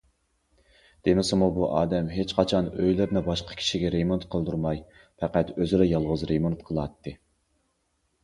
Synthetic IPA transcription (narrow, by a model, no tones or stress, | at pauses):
d̪̥emɪsɪmubuʔɑːd̪ɛmɦet͡ʃqʰɑt͡ʃʰɑnøjlɪɾnɪbɑʃqʰɑ̥kʲʰi̥ʃiɡʲɛɾemont̪qʰəlˠd̪uɾmɑj | fʰɛqæt̪øzɪɾɛjɑlˠʁəzɾemont̪qʰəlˠɑt̪ːɨ